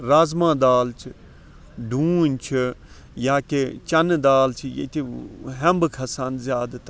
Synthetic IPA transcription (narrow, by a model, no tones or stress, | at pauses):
ɾaːzmãːd̪aːlt͡ʃʰ | ɖʱuːnʲt͡ʃʰɨ | jaːket͡ʃɐnd̪aːlt͡ʃʰijḛt̪iɦɐmbɨkʰɐsanzjaːd̪t̪